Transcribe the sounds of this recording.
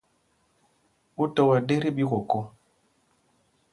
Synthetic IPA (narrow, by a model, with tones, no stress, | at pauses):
u˦tɔ˨wa˨ɗe˦ɾi˦ɓi˦ɣo˨ko˦